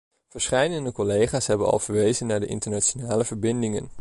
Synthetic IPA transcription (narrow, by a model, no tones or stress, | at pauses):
v̥əɹsχɛjdəndəkɔlejχaːsɦɛbənɑ̰lˠv̥əɹʋejzənːaːɹdəʔɪ̰ntəɹnat͡ʃonaːləvəɹbɪndɪŋə̰n